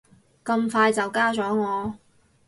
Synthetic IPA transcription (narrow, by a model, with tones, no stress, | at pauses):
kɐ˧mfaː˧jt͡sɐ˨wkaː˥t͡sɔː˨˥ŋɔː˨˧